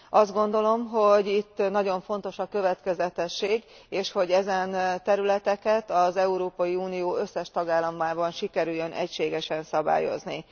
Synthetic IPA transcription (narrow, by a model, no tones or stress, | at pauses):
ɒzd̪ɡo̞nd̪o̞lo̞mɦo̞ɟit̪ːnɒɟo̞ɱfo̞nt̪o̞ʃɒkøvɛt̪kɛzɛt̪ɛʃːeːɡ | eːʃho̞ɟɛzɛnt̪ɛɾylɛt̪ɛkɛt̪ɒzɛuɾoːpɒjiuːnijoːø̞sːɛʃt̪ɒɡaːlːɒmːaːbɒnʃikɛɾyjːønʔɛ̰cʃeːɡɛʃɛnsɒba̰ːjo̞̰znḭ